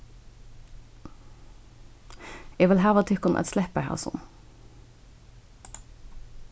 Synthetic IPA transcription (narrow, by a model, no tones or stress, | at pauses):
eːʋɪlɦæːʋɑt̪ʰʏkʊnʔɛ̰t̪slɛpəhɑ̰ːsɔ̰n